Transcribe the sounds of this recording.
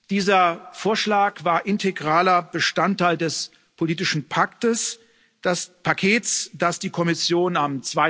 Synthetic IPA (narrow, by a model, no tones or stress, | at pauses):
d̥iːzɐfoːɐʃlaːkv̥aːɐʔɪntʰeɡʁaːlɐb̥əʃtantʰːaɪldɛs | pʰoliːtɪʃn̩pʰaktəs | d̥aspʰakʰeːtsd̥asd̥iːkʰɔmɪsjoːnamt͡sv̥aɪ